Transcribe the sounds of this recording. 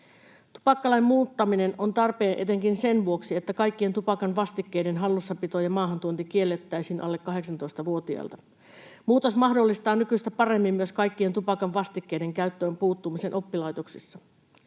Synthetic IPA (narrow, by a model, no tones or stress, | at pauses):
t̪u̥pɑkːɑlɑjmmuːt̪ːɑmine̞nont̪ɑrpe̞ːnʔe̞t̪e̞ŋkinse̞nʋuo̞ksie̞t̪ːækɑjkːie̞nt̪upɑkɑnʋɑst̪ikːe̞jdenɦɑlːusːɑpit̪ojɑmɑːɦɑnt̪uont̪ik̟ie̞lːet̪ːæjsiːnʔɑ̰lːekːɑɦe̞ksɑnt̪o̞ist̪ɑʋuo̞t̪iɑ̰lt̪ɑ | muːt̪osmɑhdolːist̪ɑːnykyst̪æpɑremːimmyøskɑjkːie̞nt̪upɑkɑʋʋɑst̪ikːe̞ide̞ŋkæyt̪ːøːmpuːt̪ːumise̞nʔo̞pːilɑjt̪oksisːɑ